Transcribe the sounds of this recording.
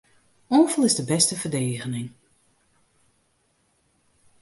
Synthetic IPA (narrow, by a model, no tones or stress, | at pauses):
ɔːvəl̩ˠɪzdəbɛstəvərdeːɣənɪŋ